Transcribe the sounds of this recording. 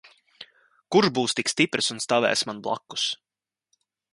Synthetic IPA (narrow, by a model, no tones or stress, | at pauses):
kuɾʒbuːst̪ikst̪ipɾʔɨsunst̪avɛ̰ːsmanblˠa̰kːu̥s